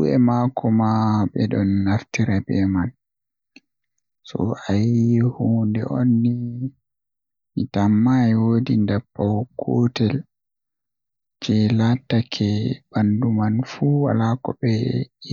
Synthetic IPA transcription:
uɛ̰makɔmaɓɛɗɔnːaftiɾabɛman | sɔ̰ajihundɛ̰onːi | mitamːajwoːdindapːawkʰːotɛl | t͡ʃɛlatːakʰɛb̥andumanfuwa̰lakɔbɛ

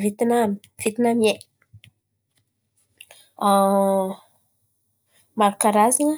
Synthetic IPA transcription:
vit̪inami̥ | v̥it̪inamie | a | maɾukaɾaziŋə

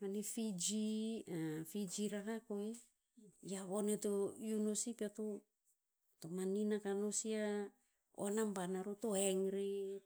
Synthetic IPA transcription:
manifid͡ʒiafid͡ʒiɾakakoe | jaβonetojunosipat̪o | tomaninakanosia | onambanaɾutoeŋɾi

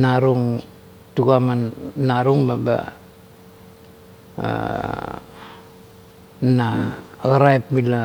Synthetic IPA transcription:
naɾuŋ | t̪ukamannaɾuŋbaba̰ | naɣɾaip̚bila

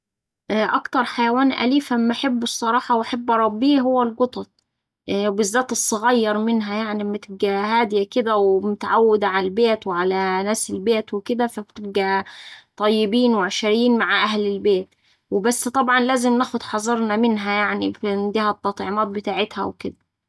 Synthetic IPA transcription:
ʔʔɑkt̪ɑɾˤħajæwæːnʔæ̰liːfʔæmːæʔaħebːesˤːɑɾˤɑːħɑwʔaħabːɾˤɑbːiːɦowːælɡot̪ˤɑt̪̚ˤ | bɪzːæːt̪esˤːɑɣɑjːɑɾˤmɪnɦæjaʕnimːæt̪ɪb̚ɡæhæːd̪jæked̪æwemʊt̪aʕawːɪd̪ʕalbeːt̪weʕalænæːselbeːt̪weked̪æfæbt̪ɪb̚ɡæt̪ˤɑjːɪbiːnweʕaʃɪɾjiːnmaʕʔæhlɪlbeːt̪ | webæsːt̪ˤɑbʕɑnlæːzɪmnæːxod̪ħɑzˤɑɾˤnæmɪnɦæjaʕnifnd̪iːhæt̪ːɑt̪ˤʕemɑːt̪̚bɪt̪aːʕet̪hæ̰wked̪æ

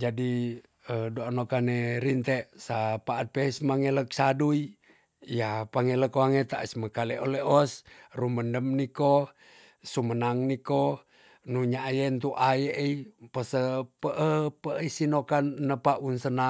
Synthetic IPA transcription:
d͡ʒadi | ədoanokaneɾint̪eʔsapaːt̪̚pesmaŋelək̚sadui | japaŋeləkoaŋet̪aʔə̰sməkaleʔoleʔɔsruməndəmniko | sumənaŋniko | nuɲaʔjent̪uʔajeʔipəsəpəʔəpəʔisinokanːəpaʔunsəna

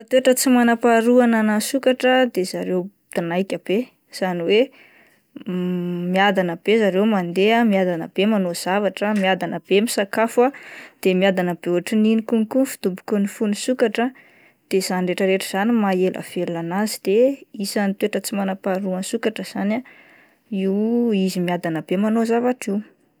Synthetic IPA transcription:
at̪weʈ͡ʂət͡simanapaɾuananasukaʈ͡ʂəd̪ez̥aɾew | d̪̥anajkʲab̥e | z̥aniwe | miad̪anəb̥ezaɾewmand̪eamiad̪anə̰b̥emanoz̥avaʈ͡ʂəmiad̪anəb̥emisakafuad̪̥emiad̪anəb̥euʈ͡ʂininikuŋkunfu̥d̪̥ubu̥kunifunisukaʈ͡ʂə | d̪̥ez̥anireʈ͡ʂəɾeʈ͡ʂiz̥animaelʔa̰feluanazid̪̥eisanit̪weʈ͡ʂət͡simanapaɾuansukaʈ͡ʂəz̥ana | iwizimiad̪anəb̥emanozavaʈ͡ʂiw

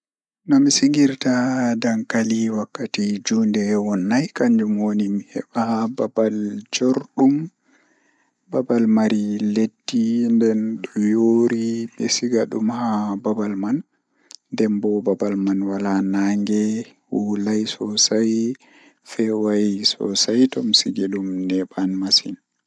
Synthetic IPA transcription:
nɔmisiŋɡiɾtadaŋkaliwakːatid͡ʒuːndɛwɔnːajkaɲd͡ʒumwonimihɛ̰ɓahababald͡ʒoɾɗum | babalmaɾiledːindɛnɗɔjoɾiɓɛsiɡaɗumhababalman | dɛmbɔbabalmanwalanaŋɡɛ | wulajsɔsaj | fɛwajsɔ̰sajtɔmsiɡilumnɛɓanmasin

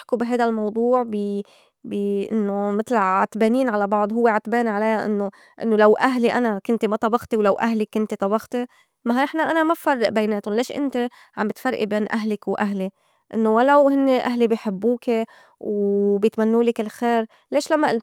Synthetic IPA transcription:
ħkubɪɦajd̪almɑwd̪ˤuːʕbi | biʔɪ̰nːomɪt̪lʕat̪beːniːnʕalabɑʕd̪ˤhʊwːeʕat̪beːnʕalajaʔɪ̰nːo | ʔɪnːolawʔaɦliʔanakʊnt̪imat̪ˤɑbɑxt̪iwlawʔaɦlɪkːʊnt̪it̪ˤɑbɑxt̪i | maɪħnaʔanamabfɑrˤːɑʔbajneːt̪ʊnleːʃʔɪ̰nt̪e | ʕa̰mbɪt̪fɑrˤʔḭbeːnʔaɦlɪkwʔaɦli | ʔɪnːowalawhɪnːeʔaɦlibɪjħɪbːuːke | wbjɪt̪manːuːlɪkɪlxeːɾ | leːʃlamːa

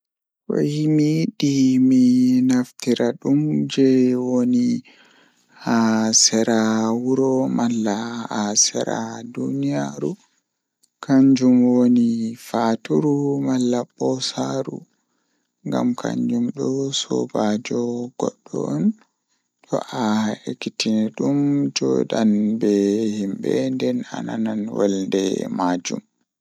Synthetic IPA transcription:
wo̰himiɗiminaftiɾaɗumd͡ʒɛwoni | hasɛɾawuɾɔmalːaasɛɾa̰dunijaɾu | kʰaɲd͡ʒumwonifaːtuɾumalːabɔsaɾu | ŋɡa̰mkʰa̰ɲd͡ʒumɗɔsɔ̰bad͡ʒɔɡ̥ɔɗːɔɔn | tɔʔaekːitinɛɗumd͡ʒɔɗanbɛhimbɛndɛna̰nananwalndɛ̰mad͡ʒum

